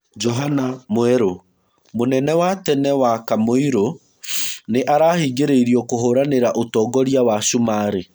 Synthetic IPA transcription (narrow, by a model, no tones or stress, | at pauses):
d͡ʒɔɦanamoɛɾo | monɛnɛwatɛnɛwakamoiɾo | neʔaɾaːhiɡeɾeiɾiɔkoɦoɾaneɾaʔotɔːɡɔɾjawaʃumaːɾe